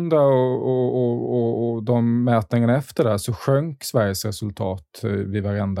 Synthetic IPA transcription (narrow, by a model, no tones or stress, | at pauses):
nd̪aɔɔɔɔd̪ɔmːɛːt̪nɪŋənaɛft̪əɖæʂɔɧœŋksvæɾjəsɾɛsɵlt̪ʰɑːt̪vɪvaɾɛnd̪